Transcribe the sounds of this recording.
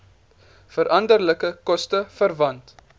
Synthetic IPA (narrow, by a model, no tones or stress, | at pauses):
fəɾʔɐndərləkəkɔstəfərvɐnt